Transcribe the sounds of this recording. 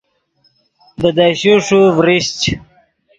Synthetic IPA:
d̪əd̪aɕuʂuvɾiɕt͡ɕ

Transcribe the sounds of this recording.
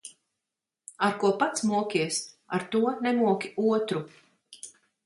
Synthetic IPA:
aɾkuɔpat̪smuɔkʲiɛs | aɾt̪uɔnɛmuɔkʲiuɔt̪ɾu

